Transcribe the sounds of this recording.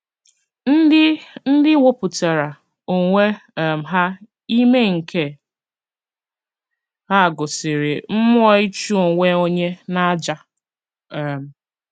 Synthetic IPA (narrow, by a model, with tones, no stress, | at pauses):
n̩˦dɪ˦n̩˦dɪ˦wo˦pʊ˨te˨ɾa˨ | o˨ŋʷe˦˨m̩˨ɦa˦ | i˦me˦ŋ̩˨kʰe˦ | ha˦˨ɡʊ˨sɪ˨ɾɪ˨m̩˦mʊ˦ɔ˦i˦t͡ʃu˦o˨ŋʷe˦o˦ɲe˦na˦d͡ʒa˦˨ | m̩˨